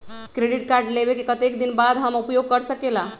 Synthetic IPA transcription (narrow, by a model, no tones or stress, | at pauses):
kɾeɖiʈ̚kaɾɖlebekekət̪ekd̪inbad̪ɦəmupjoɡ̚kəɾsəkela